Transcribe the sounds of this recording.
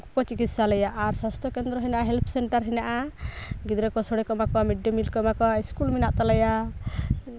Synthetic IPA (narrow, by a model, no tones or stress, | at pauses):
kɔkɔt͡ʃikit̪salɛjaʔaɾsast̪ʰɔkɛnd̪ɾɔɦɛnaʔaɦɛlpʰsɛɳʈaɾɦɛnaʔaɡid̪ɾɛkɔsɔɽɛkɔmakɔamiɖɛmilkɔmakɔiskulminaʔt̪alɛja